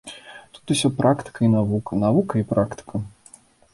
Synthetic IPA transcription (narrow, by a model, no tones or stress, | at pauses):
t̪u̥t̪usʲɔpɾʔakt̪ɨ̥kɐinavukɐnavukɐipɾakt̪ɨ̥kʰɐ